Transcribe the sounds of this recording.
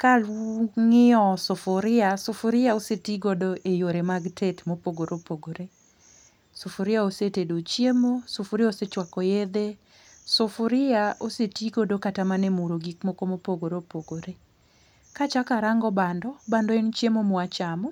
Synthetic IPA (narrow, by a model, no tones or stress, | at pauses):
kalŋɪɔsofʊɾɪasofʊɾɪaosetiɡodoʔejoɾemaɡtʰetmopoɡoɾʔopoɡoɾe | sofoɾɪaosetedot͡ʃjemosofʊɾɪaoset͡ʃwakɔjed̪e | sʊfʊɾɪaosetiɡodokatamanemuɾoɡikmokomopoɡoɾopoɡoɾe | kat͡ʃakaɾaŋɡɔbandɔbandɔɛnt͡ʃjemomɔat͡ʃamɔ